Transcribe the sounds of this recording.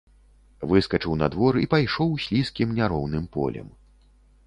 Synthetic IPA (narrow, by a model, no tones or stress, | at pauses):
vɨskɐt͡ʂɨwna̰d̪vɔɾipajʂɔwsʲlʲiskʲimnʲaɾɔwnɨmpɔ̰lʲɛ̰m